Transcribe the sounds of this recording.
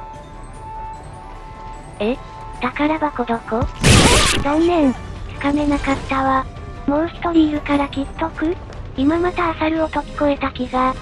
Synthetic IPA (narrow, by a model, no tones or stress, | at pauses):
e | d̪̥akaɾabako̞d̪o̞ko | zõnːẽ̞nt͡sɨ̥kame̞nakat̪ːaβa | mo̞ːsi̥t̪o̞ɾʲijɯ̟kaɾakʲit̪ːo̞kɯ̟ | imamat̪aːsaɾɯ̟o̞t̪o̞kʲi̥ko̞e̞t̪akʲiɡa